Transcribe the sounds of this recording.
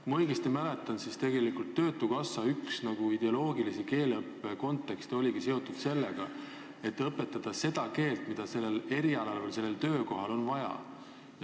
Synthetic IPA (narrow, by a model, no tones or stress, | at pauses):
mɤjɡ̥ist̪imæle̞t̪ːˑɑnsist̪e̞ɡe̞likult̪ːø̞ːt̪ːˑukɑsːɑyksnɑɡ̥uid̪̥e̞o̞lo̞ːɡilisike̞ːlɤpːe̞ko̞nt̪ːˑe̞kst̪eo̞lʲiɡ̥ise̞o̞t̪ːud̪̥se̞lːeɡ̥ɑ | e̞t̪ːˑɤpːˑe̞t̪ːˑɑd̪̥ɑse̞d̪̥ɑke̞ːlt̪mid̪̥ɑse̞lːe̞le̞ɾiɑlɑlvelse̞lːelt̪ø̞ːko̞ɦɑlo̞nvɑjɑ̰